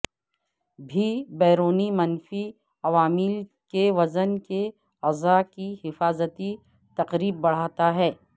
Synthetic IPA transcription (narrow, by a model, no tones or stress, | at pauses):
bʱibɛːɾoːnimɐnfi | ɐʋaːmɪl | keʋɐzənke | ɐzakihɪfaːzət̪i | t̪ɐqɾiːb̚bɐɽ̤aːt̪aɦɛː